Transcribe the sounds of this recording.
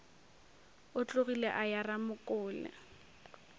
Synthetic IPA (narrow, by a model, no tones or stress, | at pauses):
ʊt͡ɬʼʊɣilɛʔajaramʊkʼʊːlɛ̰